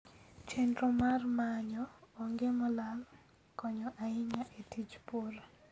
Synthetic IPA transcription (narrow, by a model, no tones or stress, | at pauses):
t͡ʃendɾomarmaɲɔːŋɡemɔlal | kɔɲɔʔaɪŋaʔetit͡ʃpoɾa